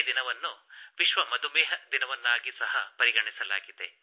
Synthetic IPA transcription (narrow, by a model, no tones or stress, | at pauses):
d̪inɐʋɐnːuʋiʃʋɐmɐd̪umɛːɦɐd̪inɐʋɐnːaːɡisɐɦɐpɐɾiɡɐɳisɐla̰ːɡid̪e̞̰